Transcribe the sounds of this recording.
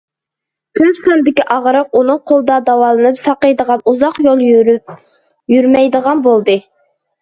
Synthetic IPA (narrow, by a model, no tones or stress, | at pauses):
kʲʰøpsɑnd̪ɪkʲiʔɑʁɾəq̚unuŋqʰolˠd̪ɑd̪ɑwɑlˠɨnɨpsɑqəjd̪əʁɑnuzɑqjolˠ | jyɾmɛjd̪əʁɑnbolˠd̪ɨ